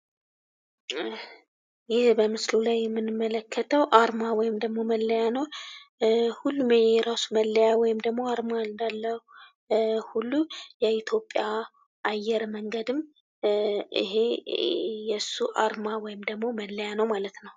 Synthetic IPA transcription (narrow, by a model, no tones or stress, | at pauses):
jɪhbəmɨslulajːɛmːɨnːɨmːələkʰːət̪ʰəwʔaɾmawɔjɪmd̪əɡmo̞məlːəjanəw | hulːumɛɾasuməlːəjawɔjɪmd̪əɡmo̞aɾmaɨnd̪alːəh | hulːujɛit̪ʰjo̞pʼja | ʔːjːɛɾməŋɡəd̪ɨm | ɨ̰ɦe̞ | jɛsːuʔaɾmawɔjɪmd̪əɡmo̞məlːəjanəwmalət̪nəw